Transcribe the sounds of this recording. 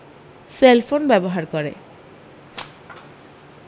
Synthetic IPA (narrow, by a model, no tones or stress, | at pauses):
selpʰonbɛboɦaɾkɔɾḛ